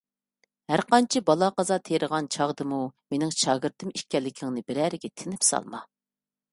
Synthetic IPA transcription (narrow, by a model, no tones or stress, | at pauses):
hæɾqɑnt͡ʃʰibɑlˠɑqɑzɑt̪ʰeɾʔəʁɑnt͡ʃʰɑʁd̪ɨmumenɪŋʃɑːɡɨɾt̪ʰɨmiʃkʲɛlːɪkʲʰɪŋnɨbɪɾæɾɪɡʲɛt̪ʰɪnɪpsɑ̰lˠmɑ